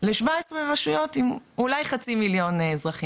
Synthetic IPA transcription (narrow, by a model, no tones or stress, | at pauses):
leʃvaesʁevaʃujo̞timulajχat͡similjo̞nzʁaχi